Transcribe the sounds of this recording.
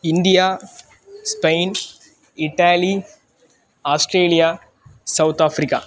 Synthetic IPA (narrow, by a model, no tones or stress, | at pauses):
ɪnd̪ijaː | spɐɪn | ɪʈːaːli | aːsʈɾeːlija | sɐwt̪aːfɾɪkːa̰